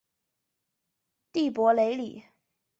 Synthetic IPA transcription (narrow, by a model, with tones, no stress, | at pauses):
t̪i˥˩pwɔ˧˥le˧˥ɪli˨˩˦